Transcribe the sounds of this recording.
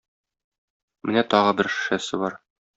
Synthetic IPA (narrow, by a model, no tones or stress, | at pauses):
mɘnæt̪ɒʁɤbɘɾʃɘ̥̆ʃæsɘbɒɾ